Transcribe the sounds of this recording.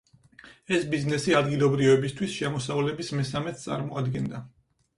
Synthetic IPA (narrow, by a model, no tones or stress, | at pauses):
ɛsbiznɛsiad̪ɡilˠɔbɾivɛbist̪ʰwisʃɛmɔsavlɛbismɛsamɛt̪̚ʰt̪sʼa̰ɾmɔad̪ɡɛnd̪a